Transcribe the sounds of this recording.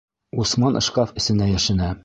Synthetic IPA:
usmɑnʔɤ̆ʃqɑfɘ̆sɘ̆næjæʃɘ̆næ

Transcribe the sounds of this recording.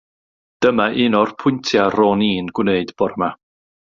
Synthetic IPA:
d̥əmaʔɪnɔrpʰʊɨntʰjarɔːniːnɡ̥wneɨdb̥ɔrma

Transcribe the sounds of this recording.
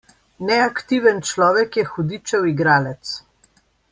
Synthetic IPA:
nɛakt̪iːʋɛnt͡ʃlɔːʋɛkjɛxud̪it͡ʃɛwiɡɾaːlɛt̪s

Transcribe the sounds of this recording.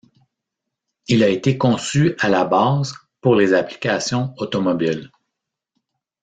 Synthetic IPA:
ilaet̪ekɔ̃syalabɑːz | puʁlezapli̥kʲasjɔ̃ot̪ɔmɔbil

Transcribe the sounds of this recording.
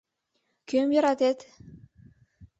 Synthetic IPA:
kʲʰømjɑɾɑt̪et̪

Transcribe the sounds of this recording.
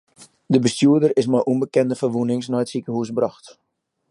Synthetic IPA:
dəbəstjuyədərɪsmajʔunmbəkɛndəfərʋunɪŋsnaətsikəhusbrɑxt

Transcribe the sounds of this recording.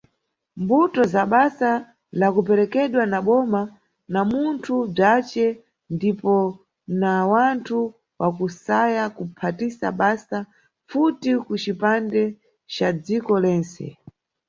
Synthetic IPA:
mbutɔzaɓasa | lakup̬ɛɾɛkɛɗwanaɓɔma | namuntʰub͡ʐat͡ʃɛ | ndipɔ | nawantʰu | wʔakusajakupʰatisa̰ɓasa | futikut͡ʃipandɛ | t͡ʃad͡zikɔlɛːnt͡sɛ̰

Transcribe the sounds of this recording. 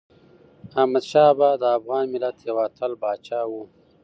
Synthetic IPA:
ahmad̪ʃɑːbad̪əːfɣɑːnmɪlat̪jawat̪ʰəlbɑːt͡ʃɑːwu

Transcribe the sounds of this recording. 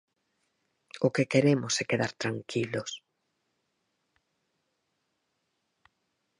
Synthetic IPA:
ʊkekeɾemʊsɛkeðaɾt̪ɾaŋkʰilʊs

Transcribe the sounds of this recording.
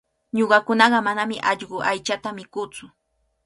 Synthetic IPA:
ɲoɢɑkʊnɑɢɑmanamɪʔɑʎɢʊʔajt͡ʃat̪amɪkʊt͡sʊ

